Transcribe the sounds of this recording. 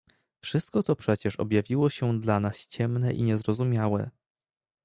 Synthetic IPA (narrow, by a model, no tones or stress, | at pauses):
fʂɘst̪kɔt̪ɔpʂɛt͡ɕɛʂɔ̰bʲjavʲiwɔɕɛd̪lanast͡ɕɛmnɛʔiɲɛzɾɔzumʲjawɛ̰